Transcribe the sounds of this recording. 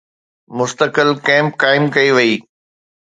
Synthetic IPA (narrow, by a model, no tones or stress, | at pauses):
mʊst̪əkəlkɛ̃ːmpkaːɪmkɐiʋɐiː